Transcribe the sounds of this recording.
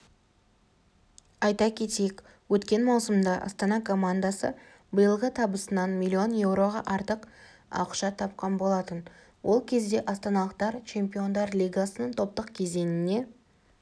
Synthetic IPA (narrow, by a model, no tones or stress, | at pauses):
ɑjt̪ɑkʲʰe̞t̪ejek | wɵt̪kʲe̞nmɑwsəmd̪ɑʔɑ̰st̪ɑnɑkʰo̞mand̪asə̰ | bəjəlˠʁət̪ʰɑbəsənɑnmʲilʲːio̞nje̞wɾo̞ʁɑʔɑɾt̪əq | ɑ̰wəqʃɑt̪ʰɑp̚qɑnbo̞lˠɑt̪ən | wʔo̞lˠkʲʰe̞zd̪e̞ʔɑst̪ɑnɑlˠəq̚t̪ɑɾt͡ʃʰe̞mpʲio̞nd̪ɑɾlʲijɡasənəɴt̪ʰo̞p̚t̪əqkʲʰe̞ze̞nɪne̞